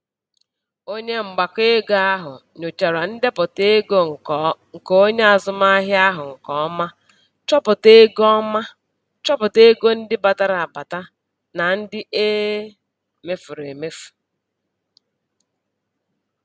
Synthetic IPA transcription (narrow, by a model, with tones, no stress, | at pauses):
o˦ɲe˦ŋ͡m̩˨ɡ͡ba˨ke˦ɡa˦ɦʊ̰˨ɲo˨t͡ʃa˨ɾa˨n̩˦de˦pʊ˨te˦ɡo˦ŋ̩˨ŋ̩˨ko˨o˦ɲe˦a˨zʊ˨ma˦ɦja˦ɦʊ˨ŋ̩˨kɔ˦ma˦ | t͡ʃɔ˦pʊ˨te˦ɡɔ˦ma˦ | t͡ʃɔ˦pʊ˨te˦ɡo˦n̩˦dɪ˦ba˨ta˦ɾa˨ba˨ta˦ | na˨n̩˦dɪ˦ʔe˦ | me˦fu˨ɾe˨me˦fu̥˨